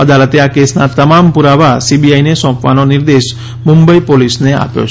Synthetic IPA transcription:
əd̪alət̪eakesnat̪əmampuɾaʋasibiainesɔ̃pʋanonɪɾd̪eʃ | mʊmbəipolisnea̰pjo̰t͡ʃʰ

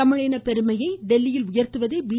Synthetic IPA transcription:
ɐmɪɻɐːnɐpɛɾɯmɐjɐɪɖɛlːɪjɪlʊjɐɾt̪ɯʋɐðeːʋi

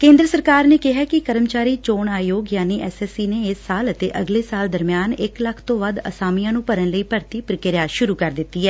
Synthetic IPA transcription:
kẽːnd̪ɾəsəɾkaːɾneːkɪɦaːkɪkəɾəmt͡ʃaːɾiːt͡ʃoːɳaːjoːɡjaːniːʔɛːsɛːsiːneːɪsːaːlət̪ḛːʔəɡleːsaːld̪əɾmɪjaːnɪkləkʰt̪õːʋəd̪ə̰saːmijãːnũːpəɾənləiːpəɾt̪iːpɾɪkɪɾjaːʃʊɾuːkəɾd̪ɪtt̪ːiːɛː

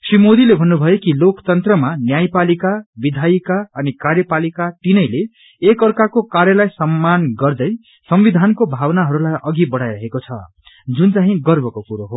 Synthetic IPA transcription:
srimod̪ilebʱʌnːubʱʌjekilokt̪ʌnt̪rʌmanjajpalikabid̪ʱajikaʌnikarjʌpalikaʈ̪inʌjleː | kʌrkakokaɾjʌlajsʌmːanɡʌrd̪ʌj | sʌmbid̪ʱankobʱawnaɦʌɾulajʔʌɡibʌɽajɾʌɦekot͡sʰʌ̰ | d͡zunt͡saɦĩɡʌrbʱʌkokuɾoɦo

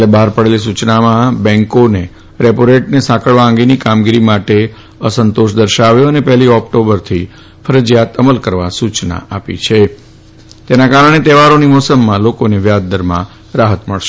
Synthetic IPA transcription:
lebaɦaɾpəɽelis̬ut͡ʃnamãbɛ̃ŋkone | ɾepoɾeʈnesãkʰəɭʋaə̃ŋɡenikamɡiɾimaʈe | əsənt̪oʃd̪əɾʃaʋjoənepɛɦliɔk̚ʈobəɾt̪ʰi | fʰəɾəd͡ʒjat̪əməlkəɾʋasut͡ʃna̰apḭt͡ʃʰe | t̪enakaɾəɳ̃et̪ɛʋaɾonimɔsəmːãlokoneʋjad̪̚ːəɾmã̰ | ɾaɦət̪məɭʃe

